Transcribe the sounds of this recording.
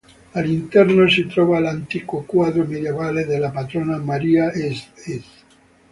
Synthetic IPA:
alint̪ɛɾnosit̪ɾɔβalant̪ikokwaðɾomeðjeβaleðelapat̪ɾonamaɾiaeseθ

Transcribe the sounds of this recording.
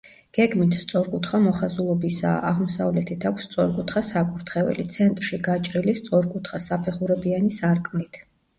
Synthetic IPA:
ɡ̥ɛɡmit̪ʰst̪sʼɔɾkʼut̪ʰχamɔχazulˠɔbisa̰ʔaʁmɔsavlɛt̪ʰit̪ʰakʷʰst̪sʼɔɾkʼut̪ʰχasakʼuɾt̪ʰχɛvɛ̰lit̪sʰɛnt̪ʼɾʃiɡat͡ʃʼɾilist̪sʼɔɾkʼut̪ʰχasapʰɛχuɾɛbianisaɾkʼmnit̪ʰ

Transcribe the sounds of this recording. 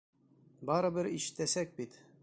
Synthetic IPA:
bɑɾɤ̆bɘɾiʃɘ̥̆t̪æsæk̚bit̪

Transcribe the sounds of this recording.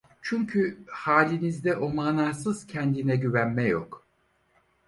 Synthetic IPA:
t͡ʃʰyɲcʰyhaːlʲinizd̪ɛʔo̞maːnaːsɯz̥cʰɛnd̪inɛɟyβænmɛjo̞̰k

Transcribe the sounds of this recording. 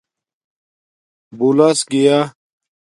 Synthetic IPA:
bulasɡijaː

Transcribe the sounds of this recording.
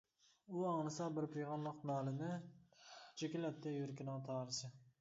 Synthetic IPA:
uɑːnɨsɑbɪɾpʰejʁɑnlˠəqnɑːlɪnɪ | t͡ʃʰɪkʲɪlɛtt̪ʰːɛjuɾkʲɪnɑŋt̪ʰɑːɾɨsɪ

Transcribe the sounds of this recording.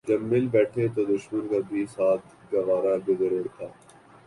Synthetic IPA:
d͡ʒɐbmɪlbɛːʈʰet̪od̪ʊʃmənkabʱiːsaːt̪̚ | ɡɐʋaːɾabezəɾuːɽt̪ʰaː

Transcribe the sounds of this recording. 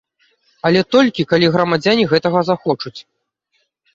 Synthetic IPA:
ɐlʲɛt̪ɔlʲkʲikalʲiɣɾɐmad͡zʲanʲiɣɛt̪ɐɣɐzaxɔt͡ʂut͡sʲ

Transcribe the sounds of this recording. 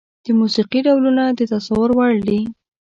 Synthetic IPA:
d̪̥əmusiqiɖawlunad̪ət̪asawʊɾwaɽd̪i

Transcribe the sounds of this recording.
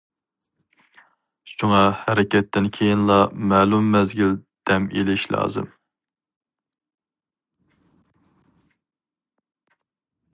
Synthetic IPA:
ʃuŋɑhɛɾɪkʲɛt̪ʰːɪnkʲʰejinlˠɑmɛːlˠumːɛzɡʲild̪̥ɛmḛlɪʃlɑ̰ːzɨ̰m

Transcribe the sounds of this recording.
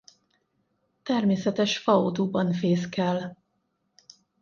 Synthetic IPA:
t̪ɛrmeːsɛt̪ɛʃfɒod̪uːbɒnfeːskɛl

